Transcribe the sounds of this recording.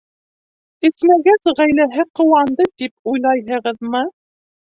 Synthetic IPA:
ɘ̆smæɡæzʁæjlæɦɘqŏwɑnd̪ɤt̪ipujlˠɑjɦɤ̆ʁɤðmɤ

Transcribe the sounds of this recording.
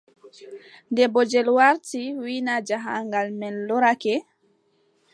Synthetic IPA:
ndɛbɔd͡ʒɛlwaɾtiwinad͡ʒaɦaŋɡalmɛnːɔɾakɛ

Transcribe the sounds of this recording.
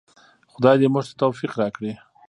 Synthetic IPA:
xʊd̪ɑjd̪emuʒt̪ḁt̪ofiqɾɑkɽi

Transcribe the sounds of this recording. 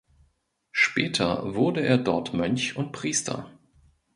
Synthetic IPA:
ʃpɛːtʰɐ̰vʊɐdəʔeːɐdɔɐtmœnçʊnt̚pʁ̥iːstʰɐ̰

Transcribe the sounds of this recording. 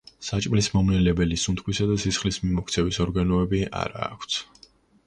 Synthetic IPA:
sat͡ʃʼmlismɔmnɛlɛbɛlisunt̪ʰkʰwisad̪asisχlismimɔkʰt̪sʰɛvisɔɾɡanɔɛbia̰ɾa̰ːkʷʰt̪ʰ

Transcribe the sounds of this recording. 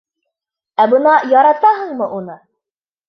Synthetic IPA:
æbɤnɑjɑɾɑt̪ɑɦɤ̆ɴmɤʔunɤ

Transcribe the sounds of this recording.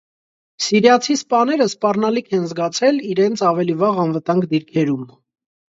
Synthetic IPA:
siɾjɑt͡sʰispɑnɛɾəspɑrnɑlikʰɛnzɡɑt͡sʰɛliɾɛnt͡sʰɑvɛlivɑʁɑnvət̪ɑŋɡd̪iɾkʰɛɾum

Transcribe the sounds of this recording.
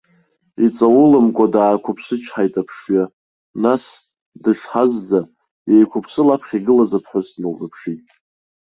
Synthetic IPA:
it͡sʼawʊlɨmkʷʼadaːkʷʰʊpʰsɨt͡ʃʰħajtʼapʰʂɥa | nas | dɨʂħazd͡za | jejkʷʰʊpʰsɨlapʰχʲiɡɨlazapʰħʷʊzdnɨlzapʰʂitʼ

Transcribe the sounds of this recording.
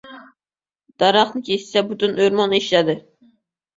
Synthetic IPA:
d̪̥ɑɾɑχnɨkʲʰest͡ʃɛbut̪ynøɾmɑneʃlɛd̪ɪ

